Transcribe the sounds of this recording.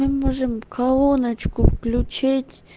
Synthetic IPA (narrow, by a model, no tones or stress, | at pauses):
ɨmoʐɨmkʰalˠonət͡ɕkʊfklʲut͡ɕetʲ